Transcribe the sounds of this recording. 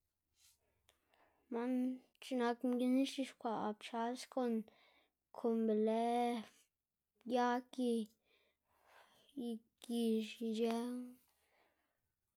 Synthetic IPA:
ma˦n | t͡ʃi˧na˧kmɡi˧ni˦ʃi˧ʃkʷa˧˨ʔp̚t͡ʃa˧˦sko˧n | kʰo˧˨mbe˨le˦ | ja˦ki˧ | i˧ | ki˧ʃi˧d͡ʒɛ˦ŋ

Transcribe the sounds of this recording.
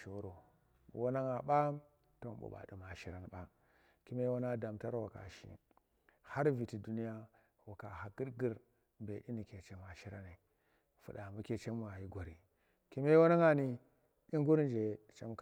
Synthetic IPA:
ʃo˨u˦ɾo˨ | ṵ˨wo˦na˦ŋa˨ɓa˦ | to̰˦bṵ˨ɓa̰˨dḭ˨ma˨ʃi˦ɾa˨˦n˨ɓa˦ | ki˦me˦wo˦na˦da˨mta˦ɾwa˨ka̰˨ʃḭ˦ | ha˦ɾvi˨ti˨du˦ni˦ja˦ | wa˨ka˨ha˨ɡi˦ɾɡi˦ɾ | mbe˨ʔi˦ni˨ke˨t͡ʃe˨ma˨ʃi˦ɾa˦ni˨ | fṵ˨da˨mu˦ke˨t͡ʃe˦m˦a˨ji˦ɡʷa˨ɾi˨ | ki˦me˦wo˦na˦ŋa˨ni˨ | i˦ŋɡu˦ɾn˦d͡ʒe˨t͡ʃa̰˦m˦k

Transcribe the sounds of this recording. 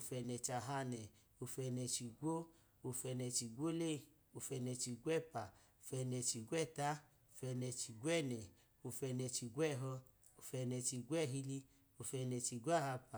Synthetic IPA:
o˧fɛ˧nɛ˨t͡ʃa˨ɦa˧nɛ˨ | o˧fɛ˧nɛ˧t͡ʃi˨ɡʷo˦ | o˧fɛ˧nɛ˧t͡ʃi˨ɡʷo˦le˦˨ | o˧fɛ˧nɛ˧t͡ʃi˧ɡʷɛ˦˨pa˨ | o˧fɛ˧nɛ˧t͡ʃi˧ɡʷɛ˦˨ta˦ | o˧fɛ˧nɛ˧t͡ʃi˧ɡwɛ˦˨nɛ˨ | o˧fɛ˧nɛ˧t͡ʃi˧ɡʷwɛ˦˨ɦɔ˧ | o˧fɛ˧nɛ˨˧t͡ʃi˧ɡʷɛ˦˨ɦi˧li˧ | o˧fɛ˧nɛ˧t͡ʃi˧ɡʷa˦˨ha˧pa˨

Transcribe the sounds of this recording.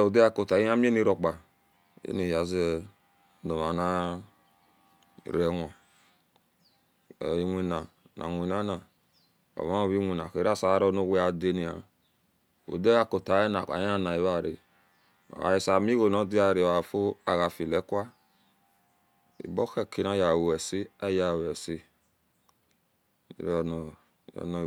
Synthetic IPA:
o˨de˦a˦˨ko˨ta˨i˦a˦mi˦e˦ni˦ɾo˨k͡pa˨ | ḛ˦ni˨ja˨z | do˨ma˨na˦˨ | ɾɛ˨ŋʷa˨ | i˨˦ŋʷi˨na˨nʔa̰˨ŋʷ˨i˨na˦na˨ | o̰˨ma˦o˨βi˦ŋʷi˨na˨ke˨ɾa˦˨sa˨˦ɾɔ˦no˦˧˨wʷe˦a˨de˦ni˨a˨ | o̰˨de˦a˦ko˨ta˨˦e˦na˨a̰˨ja˦na˨i˨˦βa˨ɾḭ˨ | a̰˨i˨sa˨mi˦ɣo˨no˦di˦a˨ɾi˨a˨fo˦a̰˨ɣa˨fi˨lɛ˨˦kwa˦ | ḭ˨bɔ˦ke˦˨kʰi˦na˨˦ja˨wɛ˨si˦a˦ja˨wɛ˨si˦˨ | ɾn˨ | ɔ̰˨nɔ˨

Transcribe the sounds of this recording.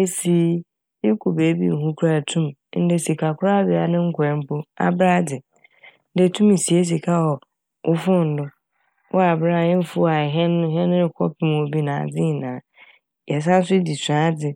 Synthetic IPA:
e˦si˨˦ | je˦kʰo˨beː˨˦bḭ˦˨ɦũ˦kʰu˦a˦˨tʰũ˦mn̩˦dɪ˦si˨kʰa˨kʰʊ˦ɾa˦bɪ˨a˨nɪ̃˦ŋ̩˦kʰʊ˨ɾɛ̃˨m˦pʊ˦a̰˦bɾa˦dɪ˨ | n̩˦dɪ˦˨tʰũ˦mi˨si˨e˦s̬i˨kʰa˦ɔ˨ | ʔʊ˦fʊ̃˦n̩˨dʊ˦ | wɔ˦a˨bɾa˦˨jɛ̃˦fʊ˦a˨ɦɛ˦n˦ɦɛ̃˦n˦ɪ˨kʰɔ˦pʰɪ˦m̃˨o˨bi˦nã˨a̰˨d͡zɪ̃˦˨nã˨ | jɛ˨s̬ã˦n̩˦s̬ʊ˦di˨sɾa˦dɪ˨

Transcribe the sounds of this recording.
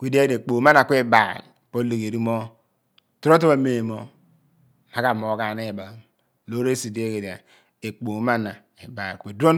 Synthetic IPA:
kʷe˦de˦e˦de˨k͡po˨˦ma˦na˨kʷe˦˨ba̰˨lpo˦le˨ɡe˨ɾi˦mo˦ | tu˦ɾo˦t̬o˦ba˦me˨mo˦ | a˦ɡa˨mo˨˦ɡa˨ne˦˨ba˨ | lo˦ɾe˦si˨de˦ɡe˨da̰˨ | e˨k͡po˨˦ma˦na˨ | e˨ba˨ɾkʷe˨dʷo˦n

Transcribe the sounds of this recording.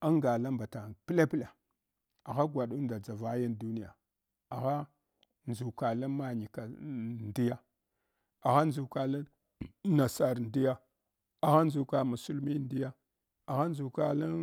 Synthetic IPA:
a˦ŋɡa˨la˦mba˨ta˨pi˦la˦pi˦la˨ | a˨ɣa˦ɡʷa˨ɗu˦nda˨d͡za˨va˦ja˦ndu˦ni˦ja˨ | a˨ɣa˦ | nzu˨ka˨la˦ma˦ɲi˨ka˨ndi˦ja˦ | a˨ɣa˦nzu˨ka˨la˦ | na˨sa˨ɾndi˦ja˦ | a˨ɣa˦nzu˨ka˨mu˨su˨lmi˦n˦di˦ja˦ | a˨ɣa˦n˦zu˨ka˨la˦

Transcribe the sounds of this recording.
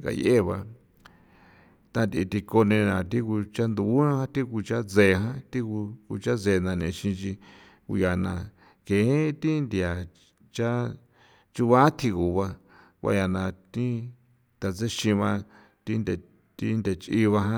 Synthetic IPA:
ŋɡa̰˧je˦˨βa˧ | t̪ã˧nt̪i˧t̪i˧ko˧nẽ˧nã˨t̪i˦ku˧t͡ʃa˦nd̪u˧˨˦ã˦hã˦t̪i˦ku˧t͡ʃa˦d͡ze˧˨ɦã˦t̪i˦ku˧ku˧t͡ʃa˦ze˧˨nã˧nẽ˨ʃĩ˧t͡ʃi˧ | kṵ˧ja˨nã̰˧˨ | kẽ˨˦t̪i˦nd̪ja˨ | t͡ʃa˦ | t͡ʃu˧βa˦t̪ʰi˧ɣu˨βa˧ | wʷa̰˧ja˧nã˧˨t̪ĩ˦ | t̪a˧t͡se˦ʃĩ˧βa˧ | t̪i˦nd̪e˧ | t̪i˦nd̪e˧t͡ʃʔi˦βa˧ɦã˦

